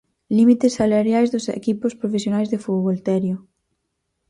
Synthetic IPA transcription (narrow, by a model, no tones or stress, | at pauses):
limit̪esːalaɾjajzðʊsḛkipʊspɾofesjonajzðefuβolt̪ɛɾjʊ